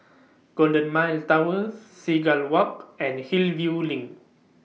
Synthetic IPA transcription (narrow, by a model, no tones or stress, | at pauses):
ɡ̥ɔldə̃nmajltawəsːiɡalwɔkɛ̃nhilvjulĩŋ